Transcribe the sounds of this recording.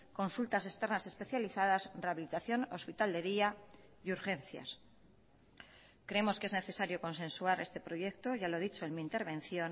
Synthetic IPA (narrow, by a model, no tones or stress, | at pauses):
ko̞nsult̪ase̞kst̪e̞ɾnase̞spe̞θjaliθað̞asreaβilit̪aθjo̞no̞spit̪ald̪e̞ðia | juɾxe̞nθja̰s | kɾeemo̞skee̞zne̞θe̞saɾjo̞ko̞ns̬ẽ̞nsuaɾe̞st̪e̞pɾo̞je̞kt̪o̞ʝalo̞ð̞it͡ʃo̞enmĩːnt̪e̞ɾβ̞ẽ̞n̟θjo̞n